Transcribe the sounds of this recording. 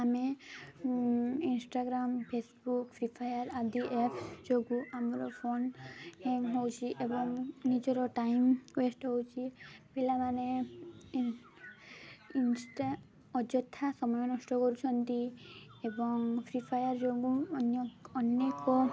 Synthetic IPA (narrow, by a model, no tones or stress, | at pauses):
ame | insʈaɡɾampʰesbukpʰɾipʰajaɾad̪iʔepʰd͡ʒoɡuʔamɔɾɔpʰonhẽɦowt͡ʃʰiʔebɔŋnid͡ʒɔɾɔʈajmkwesʈɦowt͡ʃʰib̥ʱelamane | insʈa | ɔd͡ʒɔt̪ʰːasɔmɔjɔnɔsʈɔkɔɾut͡ʃʰɔnt̪iebɔŋpʰɾipʰajaɾd͡ʒoɡuɔnjɔɔnekɔ